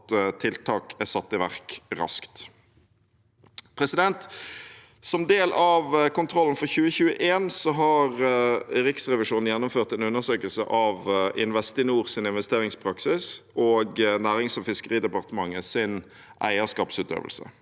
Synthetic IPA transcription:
t̪t̪ʰɪlt̪ʰɑːkʰæsɑt̪ːɪʋæʁkɾɑ̰skt̪ | pʰʁɛsɪd̪ɛnt̪ | sɔmd̪eːlʔɑʋkʊnt̪ʰɾɔln̩fɔʁçʉːəçʉːəʔeːnsɔɦɑʁɾɪksʁɛʋɪʂuːn̩jɛnːʊmføːʁt̪ɛnʉnːəʁsøːkəlsə̰ʔɑʋʔɪnʋɛst̪ɪnuːʁsɪnɪnʋɛst̪eːʁɪŋspʰɾɑksɪsoːɡnæːʁɪŋsɔʋfɪskəʁiːd̪ɛpɑʁt̪əmɑŋːəsɪn | ʔæ̰ɪəskɑːpsʉːt̪ø̰ːʋəlsə̰

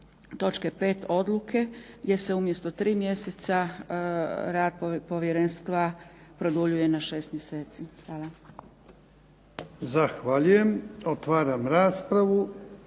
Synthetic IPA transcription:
t̪o̞t͡ʃkepe̞ːt̪o̞d̪lˠukʰeɡje̞se̞umje̞st̪o̞t̪ɾiːmje̞set̪sa | ɾaːd̪̚ppo̞ʋjeɾenst̪ʋapɾo̞d̪uʎuje̞naʃe̞ːst̪mjese̞ːt̪sixʋaːla | zaxʋaʎuje̞mot̪ʋaːɾamɾaːspɾaʋu

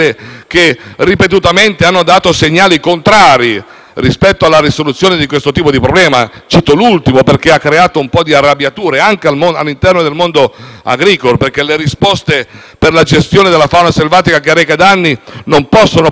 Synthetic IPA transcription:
ek̟eripet̪ut̪ament̪eanːod̪aːt̪oseɲːaːlikont̪ɾaːɾi | rispɛt̪ːoalːaɾisolut̪sːjoːned̪ikwest̪ot̪iːpod̪ipɾoblɛːmat͡ʃiːt̪olult̪imoperk̟eakːɾeaːt̪oumpɔd̪iarːabjat̪uːɾeaŋk̟ealmonalːint̪ɛrnod̪elmond̪oa̰ɡɾiːkoloperk̟eleɾispɔst̪e | perlad͡ʒest̪joːned̪elafawnaselvaːt̪ikakeaɾɛːkad̪anːinompɔsːono

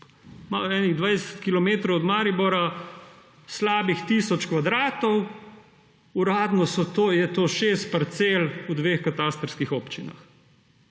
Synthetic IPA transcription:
maɛːniɣd̪ʋaːjd̪ɛsɛ̥t̪kilɔmeːt̪ɾɔwɔd̪maːɾibɔɾa | slaːbixt̪iːsɔt͡ʃkʋad̪ɾaːt̪ɔw | uɾaːd̪nɔsɔt̪oːjɛt̪oːʃeːst̪̚pɐɾt̪selud̪ʋeːxkat̪ast̪ɾskixɔːpt͡ʃina̰x

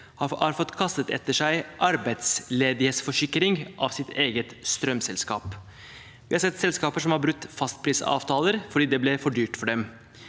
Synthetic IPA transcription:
hɑɑɾfɔt̪ːkʰɑst̪ət̪ɛ̰t̪ːəʂæɪʔɑɾbæɪt̪sleːd̪ɪheːt̪sfɔʂɪkːɾɪŋʔɑ̰ʋsɪt̪ʰeːɡət̪st̪ɾœmsɛlskɑ̰ːp | ʋɪhɑɾsɛt̪ːsɛlskɑːpəʂɔmhɑɾbɾʉt̪ːfɑst̪̚pʰɾiːsɑ̰ːʋt̪ʰɑːləɾfɔɖiːd̪ɛblɛfɔɖyːʈfɔɖɛm

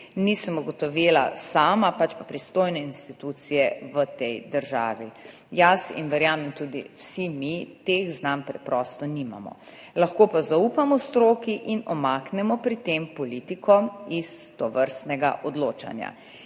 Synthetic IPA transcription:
nisəmuɡɔt̪ɔʋeːla̰saːmapat͡ʃpapɾist̪oːjnɛinst̪it̪ut̪sijɛʋət̪ɛjd̪əɾʒa̰ːʋi | jasḭnʋɛɾjaːmɛmt̪ud̪ḭwsimit̪exznampɾɛpɾɔst̪ɔnima̰mɔ̰ | laxkoːpazaupamɔst̪ɾoːkiʔinɔmaːknɛmɔpɾit̪empɔlit̪ikʰɔist̪ɔʋəɾst̪nɛɡa̰ʔɔd̪loːt͡ʃa̰nja̰

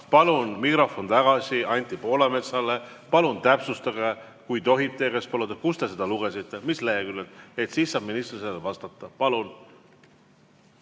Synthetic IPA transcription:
pɑlunmikrofont̪ɑɡ̥ɑsʲiɑnʲt̪ːˑipo̞ːlɑme̞t̪sɑle | pɑlunt̪æpsust̪ɑɡ̥ɑ | kujt̪o̞ɦip̚t̪ːˑekespolud̪ɑkust̪e̞s̬e̞d̪̥ɑluɡ̥e̞sit̪ːe̞misleɦekylːet̪e̞t̪siːssɑːb̥minist̪liselevɑst̪ɑt̪ːˑɑpɑlun

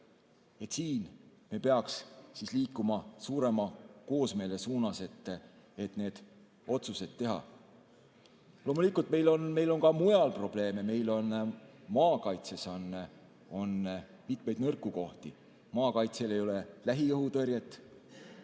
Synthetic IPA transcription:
e̞t̪siːnmepe̞ɑkssisliːkːˑumɑsuːɾe̞mɑko̞ːsme̞ːle̞suːnɑse̞t̪ː | et̪ne̞ːd̪̥ | o̞t̪suse̞d̪̥̚ːe̞ɦɑ̰ | lo̞ːmulikːˑult̪̚ˑme̞jlo̞nme̞jlo̞nkɑmujɑlpro̞b̥le̞ːme̞me̞jlo̞nmɑːkɑjt̪se̞sɑne | o̞n | mit̪me̞jd̪nɤrkːˑuko̞ht̪i | mɑːkɑjt̪sele̞jo̞lelæɦiɤɦut̪ɤrjet̪ːˑ

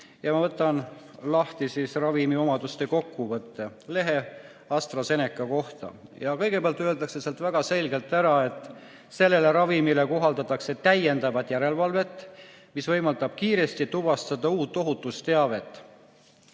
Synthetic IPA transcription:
jɑmɑvɤt̪ˑːɑnlɑht̪isisrɑvimio̞mɑd̪ust̪e̞ko̞kːuvɤt̪ːe̞le̞ɦe̞ | ɑst̪rɑse̞ne̞kːˑɑko̞ht̪ɑ̰jɑkɤ̞jɡ̥e̞peɑlt̪ːøeld̪ɑkse̞seɑlt̪væɡ̥ɑse̞lɡe̞lt̪ːˑæɾɑe̞t̪ːˑ | se̞lːe̞le̞ɾɑvimile̞ko̞ɦɑld̪ɑt̪ːˑɑkse̞t̪æje̞nd̪̥ɑvɑt̪jæɾe̞lvɑlve̞t̪ːˑ | misvɤ̞jmɑld̪ɑb̥kiːɾe̞st̪it̪ubɑst̪ɑd̪ɑuːt̪ːˑo̞ɦut̪ːˑust̪e̞ɑve̞t̪ːˑ

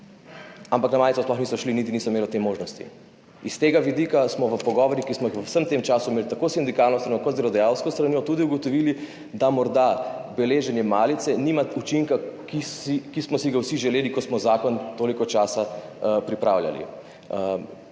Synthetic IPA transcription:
ampaknamaːlit̪sɔsplɔxnisɔʃlinit̪inisɔimeːlɔt̪emoːʒnɔst̪ḭ | ist̪eːɡaʋid̪iːkasmɔʋəpɔɡɔːʋɔɾjikismɔixʋəwsəmt̪emt͡ʃaːsuimelit̪akosind̪ikaːɾnɔst̪ɾanjɔkɔt̪zeɾɔd̪ɛjawskɔst̪ɾaniːɔt̪uːd̪iuɡɔt̪ɔʋili | d̪amɔɾd̪abɛleːʒɛnjɛmaːlit̪sɛniːmaut͡ʃiŋkakiikismɔsiɡawsiʒɛleːlikɔsmɔzaːkɔnt̪oːlikɔt͡ʃaːsapɾipɾaːwlja̰lḭ

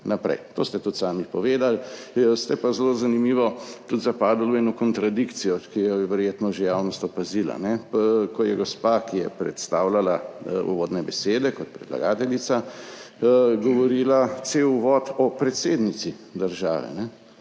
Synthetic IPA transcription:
napɾɛ̰jt̪o̰ːst̪ɛt̪ut̪saːmipɔʋeːd̪alst̪ɛpazlozanimiːʋɔt̪ut̪zapaːd̪alwɛnɔkɔnt̪ɾad̪ikt̪sijɔkijɛʋɛɾjeːt̪nɔʒejawnɔst̪ɔpazila̰nɛkɔjɛɡɔspakijɛpɾɛ̰t̪st̪aːwlalaṵʋɔːd̪nɛbɛseːd̪ɛkɔt̪̚pɾɛ̰la̰ɡaːt̪ɛlit̪sa | ɡɔʋɔɾiːlat̪sewuʋɔːt̪ɔpɾɛt̪seːd̪nit̪sid̪əɾʒa̰ːʋɛ̰nɛ

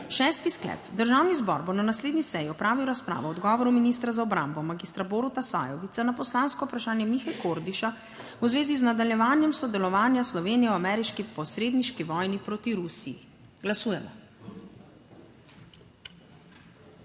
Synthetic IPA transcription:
ʃɛːst̪isklɛ̰pd̪əɾʒawnizbɔ̰ɾbonanasleːd̪nisɛjiɔpɾaːʋiwɾaspɾa̰ːʋɔɔd̪ɡɔːʋɔɾuminist̪ɾazaɔbɾa̰mbɔmaɡist̪ɾaboɾut̪asa̰ːjɔʋit̪sanapɔslaːnskɔupɾaʃaːnjɛmixajkoɾd̪iʃa | wzʋeːziznad̪aljɛʋaːnjɛmsɔd̪ɛlɔʋaːnjaslɔʋeːnijɛɔamɛːɾiʃkipɔsɾeːd̪niʃkiʋɔːjnipɾoːt̪iɾusiḭ | ɡlasuːjɛmɔ̰

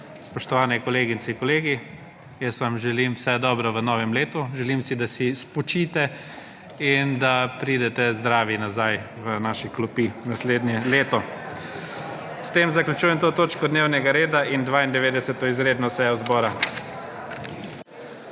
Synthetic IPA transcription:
spɔʃt̪ɔʋaːnɛkɔleːɡit͡ssɛkɔleːɡi | jəsʋamʒɛlimwsɛd̪ɔbɾɔʋənɔːʋɛmleːt̪uʒɛlimsid̪asispɔt͡ʃiːt̪ɛ | ind̪apɾiːd̪ɛt̪ɛzd̪ɾaːʋinazaj | ʋənaʃiklɔpinasleːd̪njɛleːt̪ɔ | st̪emzaklʲut͡ʃuːjɛmt̪oːt̪oːt͡ʃkɔd̪neːwnɛɡaɾeːd̪aʔind̪ʋaːind̪ɛʋeːd̪ɛsɛt̪ɔizɾeːd̪nɔsɛjɔzbɔːɾa

